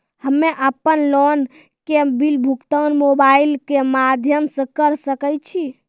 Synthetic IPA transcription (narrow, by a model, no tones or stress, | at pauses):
həmːeʔəpːənlɔn | kebilbʱukt̪ənmobailkemad̪ʱjəmsə̃kəɾsəkəjt͡ʃʰi